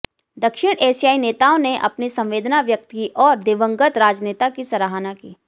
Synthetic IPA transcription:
d̪ɐkʃɪɽ̃ʔeːsijaːineːt̪aːõneʔɐ̰pnisɐ̃mʋeːd̪naʋjək̚t̪kiʔɔːɾd̪eːʋə̃ŋɡət̪ɾaːd͡ʒneːt̪akisɐɾaːɦaːnakiː

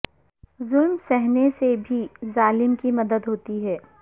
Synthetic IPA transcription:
zʊlmsɛɦnesebʱizaːlɪmkimɐd̪əd̪ɦoːt̪iɦɛː

